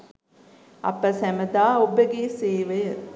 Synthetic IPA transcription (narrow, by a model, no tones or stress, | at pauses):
ɐ̰pəsæməd̪aːobəɡeːseːʋəjə